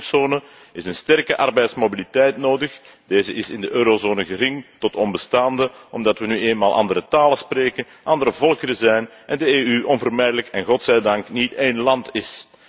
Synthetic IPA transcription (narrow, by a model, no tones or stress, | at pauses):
soːnə | ɪsənstɛrkəʔɑrbɛjtsmobilitɛjtnoːdəx | d̥eːzəʔɪsɪndəʔøːɾozoːnəɣərɪŋtɔtɔnbəstaːndəʔɔmdɑtʋənyeːnmaːlˠʔɑ̰ndəɾətaːləspreːkən | ʔɑndəɾəvɔlˠkəɾəzɛjnʔɛndəeːyʔɔnvərmɛjdələkɛnɣɔtsɛjdɑŋkniteːnlɑntɪs